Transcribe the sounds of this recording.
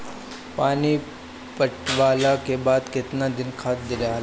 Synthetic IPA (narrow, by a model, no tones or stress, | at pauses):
paːni | pəʈʋaːlakebaːd̪kɪt̪nad̪ɪnkʰaːt̪̚d̪ɪɾa